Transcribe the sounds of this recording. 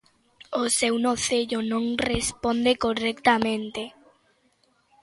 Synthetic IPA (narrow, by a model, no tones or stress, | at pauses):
osewnoθeʎonõŋrespond̪ekorɛkt̪amẽnt̪e